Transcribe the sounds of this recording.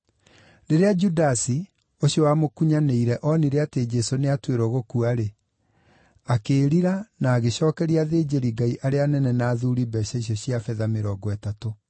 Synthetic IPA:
ɾeɾead͡ʒudasi | oɕjɔwamokuɲaneiɾɛʔɔniɾeated͡ʒɛsoneatweɾɔɣokuaɾe | akeːɾiɾanaːɣeɕɔːkɛɾiaðed͡ʑeɾiɡaiʔaɾeanɛnɛnaːðuɾibɛɕɛɕ̬ɔɕiafɛðameɾɔːɡɔɛtato

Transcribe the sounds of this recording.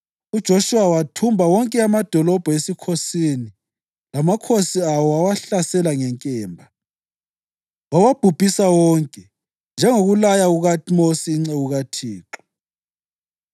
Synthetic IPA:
ud̥ʒ̥ʱoʃuwawatʰumbʱawɔŋkʼɛamad̥ʱɔlɔb̥ʱɔesikʰosini | lamakʰosiawɔawaɬasɛlaŋɛŋkʼɛːmbʱa | wawab̥ʱub̥ʱisawɔŋkʼɛ | nd͡ʒʱɛŋoɣulajaɣuɣamosiːŋ͡ǀɛɣuɣatʰiːǁɔ̥

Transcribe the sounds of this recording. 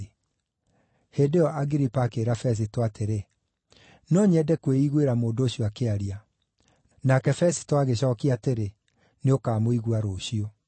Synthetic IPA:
hedeɔʔaɡiɾipakeːɾafɛs̬itoateɾe | nɔɲɛdɛkweiɣweɾamoːndooɕioakeaɾia | nakɛfɛsi̥toaɣeɕɔːkiateɾe | neokaːmoiɣwaɾoːɕio

